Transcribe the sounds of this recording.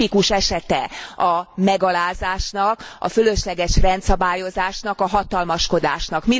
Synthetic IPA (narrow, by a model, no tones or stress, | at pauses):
ikuʃɛʃɛt̪ɛɒmɛɡɒlaːzaːʃnɒkɒ̰føløʃlɛɡɛʃrɛnt̪sɒbaːjo̞zaːʃnɒkɒɦɒt̪ɒlmɒʃko̞d̪aːʃnɒkmi